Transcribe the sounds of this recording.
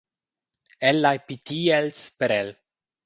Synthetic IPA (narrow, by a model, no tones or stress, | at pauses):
elːajpit̪iːelspeɾel